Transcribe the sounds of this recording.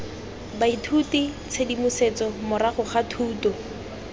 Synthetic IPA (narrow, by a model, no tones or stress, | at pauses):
baitʰutit͡sʰedimʊset͡sɔmʊɾaχʊχatʰuːtɔ